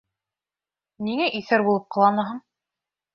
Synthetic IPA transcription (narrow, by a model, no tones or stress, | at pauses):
niŋæʔiθæɾbulˠɤp̚qɑ̆lˠɑnɤɦɤɴ